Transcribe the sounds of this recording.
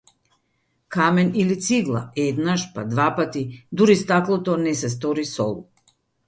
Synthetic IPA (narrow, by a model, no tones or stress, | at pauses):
kamɛnilit̪siɡlˠa̰ɛd̪naʃpad̪vapat̪id̪uɾist̪aklˠɔt̪ɔnɛsɛs̬t̪ɔɾisɔ̰lˠu